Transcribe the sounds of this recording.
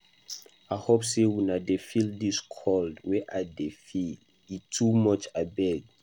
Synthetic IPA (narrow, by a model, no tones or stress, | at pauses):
ahopsewinadefildiskʰɔldwɛʔadefi | itʰumɔt͡ʃabɛɡ̚